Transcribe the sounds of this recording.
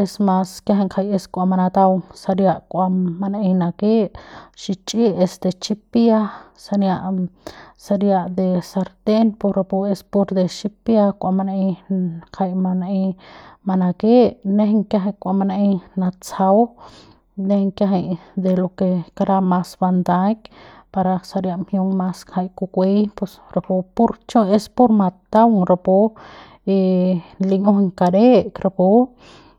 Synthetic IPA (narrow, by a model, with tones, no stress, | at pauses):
e˧smã˧skja˧ɦe˧ŋkʰa˧je˧skʷa˧ma˧na˧t̪a˧wsa˧ɾja˧ʔkʷa˧ma˧na˧ʔĩ˧na˧ke˦ʔʃi˧t͡ʃʼi˦e˧sd̪e˧t͡ʃi˦pja˦ | sa˧nja˧ʔ | sa˧ɾja˧ʔd̪e˧sa˧ɾd̪e˦npo˧ɾa˧po˧e˧spo˧ɾd̪e˧ʃi˦pja˧kʷa˧ma˧nʔĩ˧kʰa˧jma˧naʔĩ˧ma˧na˧ke˦ʔne˦hŋkja˧˦ɦa˧˨kʷa˨ma˧naʔi˧na˧t͡sa˧w | ne˦hŋkja˧ɦe˧jd̪e˧lo˧ke˧ka˧ɾa˧ma˧sba˧nd̪a˦k | pa˧ɾa˧sa˧ɾja˧ʔmhjo˧ŋma˧sha˧jku˧kʷe˦jpo˧sɾa˨po˧pu˦ɾt͡ʃo˦e˦spo˦ɾma˧t̪a˦wɾo˧po˧ | e˧nli˧ŋo˦hŋka˨ɾe˦ʔkɾa˧po˧˦